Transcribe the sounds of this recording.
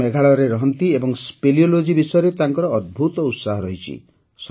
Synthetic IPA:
eɡʱaɭɔɾeɾɔɦɔnt̪iebɔŋspeliolod͡ʒibisɔjɔɾet̪aŋkɔɾɔːd̪̚bʱut̪ɔut̪saɦɔɾɔɦit͡ʃʰḭ | s

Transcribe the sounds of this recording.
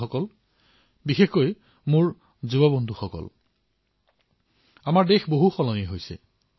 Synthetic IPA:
ɔkɔl | bixexkoj | mʊɹ | zubɔbondʱuxɔkɔ̰l | amaɹdexboɦuxɔlɔniɛɦojsɛ̰

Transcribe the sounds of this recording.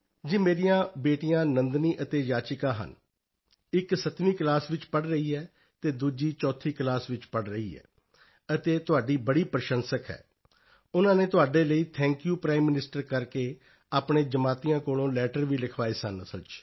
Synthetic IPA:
d͡ʒiːmeːɾijãːbeːʈijãːnənd̪niːʔət̪eːd͡ʒaːt͡ʃɪkãːɦə̰n | ɪksət̪miːklaːsʋɪt͡ʃpəɽɾəiːɛː | t̪eːd̪uːd͡ʒiːt͡ʃɔːt̪ʰiːklaːsʋɪt͡ʃpəɽɾəiːɛ̰ː | ət̪eːt̪ʊaːɖiːbəɽiːpəɾʃənsəkʰɛ̰ː | ʊnãːneːt̪ʊaːɖeːləiːt̪ʰɛ̃ːŋkjuːpɾaːimːɪnɪsʈəɾkəɾkeː | aːpɳeːd͡ʒəmaːt̪iːãːkoːɽõːlɛːʈəɾʋiːlɪkʰʋaːeːsənsət͡ʃ

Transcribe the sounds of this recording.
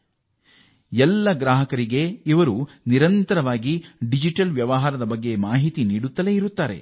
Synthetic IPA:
ɛlːɐɡɾaːɦɐkɐɾiɡe̞iʋɐɾu | niɾɐnt̪ɐɾɐʋaːɡiɖid͡ʒiʈɐlʋjɐʋɐɦaːɾɐd̪ɐbɐɡːe̞maːɦit̪iniːɽut̪ːɐle̞iɾut̪ːaːɾe̞̰

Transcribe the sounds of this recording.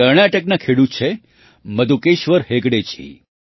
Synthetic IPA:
əɾɳaʈək̚nakʰeɽut̪̚t͡ʃʰe | məd̪ʱukeʃʋəɾɦeɡɽet͡ʃʰḭ

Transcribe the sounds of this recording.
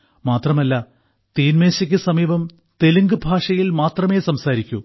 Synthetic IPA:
maːt̪rɐmɐlːɐ | t̪iːnmeːɕɐkʲːɨsɐmiːbɐm | t̪eluŋɡɨbʱaːʂɐjilmaːt̪rɐmeːsɐmsaːɾikʲːu

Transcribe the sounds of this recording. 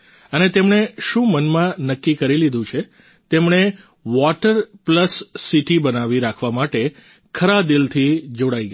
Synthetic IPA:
ənet̪emɳ̃eʃũmənmãnəkːikəɾilid̪ʱũt͡ʃʰe | t̪emɳ̃e | ʋɔʈəɾpləsːiʈibənaʋiɾakʰʋamaʈe | kʰəɾad̪ilt̪ʰid͡ʒoɽaiɡə

